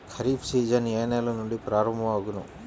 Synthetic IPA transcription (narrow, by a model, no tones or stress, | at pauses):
kʰɐɾiːpsiːd͡ʒɐneːneːlɐnuɳɖipɾaːɾɐmbʱɐʋaːɡunu